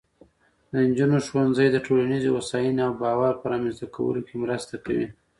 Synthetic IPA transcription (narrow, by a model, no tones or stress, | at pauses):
d̪ənd͡ʒunoʃwanzəjd̪əʈʰolanizowasɑjineawbɑwaɾpəɾɑmanzt̪akʰawə̰lokemɾəst̪akawḭ